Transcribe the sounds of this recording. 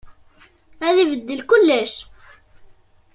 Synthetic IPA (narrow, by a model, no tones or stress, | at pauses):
æðivəd̪ːəlkʊlːæʃ